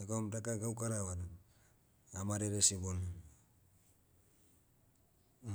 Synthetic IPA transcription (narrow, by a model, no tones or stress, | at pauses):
ekomdakaɡawkaɾawad | amaɾeɾesibon